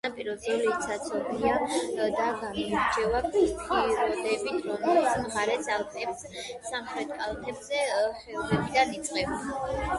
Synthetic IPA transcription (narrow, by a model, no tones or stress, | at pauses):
apʼiɾɔd̪zɔlit̪sʰat̪sʰɔbiad̪aɡamɔaɾt͡ʃʰɛvapʰist̪kid̪ɛbit̪ʰɾɔmɛlit̪smʁaɾɛsalˠt̪ʰɛps | samχɾɛt̪̚ʰkʼalˠt̪ʰɛbzɛχɛɔlɛbid̪anit̪sʼqʼɛba